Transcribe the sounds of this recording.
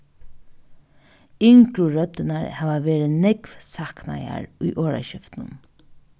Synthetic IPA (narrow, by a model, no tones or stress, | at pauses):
ɪŋkɾuɹœt̪ɪnaɹhæːʋaʋeːɾɪnɛkʋsakna̰ja̰ɹʊjʔoːɹa̰ʃɪft̪nə̰n